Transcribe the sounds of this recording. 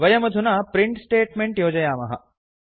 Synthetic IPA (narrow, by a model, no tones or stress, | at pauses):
ʋɐjɐmɐd̪ʱunaːpɾiɳʈsʈeːʈmeɳʈjoːd͡ʒɐjaːmɐ̰ɦɐ̰